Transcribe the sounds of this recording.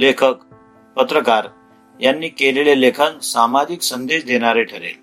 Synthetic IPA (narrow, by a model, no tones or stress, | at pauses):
lekʰək | pət̪ɾəkaɾ | janːiːkelelelekʰənsamad͡ʑiksənd̪eɕd̪eɽ̃aɾeʈʰəɾḛl